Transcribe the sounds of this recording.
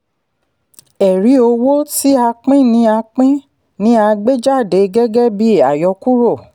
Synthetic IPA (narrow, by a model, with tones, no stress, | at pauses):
ɛ˨ɾi˨˦o˧wo˦ti˦a˧k͡pĩ˦nĩ˨˦a˧k͡pĩ˦ | nĩ˦a˧ɡ͡be˦d͡ʒa˦˨de˨˦ɡɛ˦ɡɛ˦bi˦a˨jɔ˧ku˦ɾo˦˨